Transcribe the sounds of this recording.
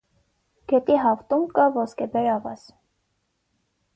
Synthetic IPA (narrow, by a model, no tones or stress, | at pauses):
ɡ̥ɛt̪iɦɑft̪umkɑvɔskɛbɛɾɑvɑ̰s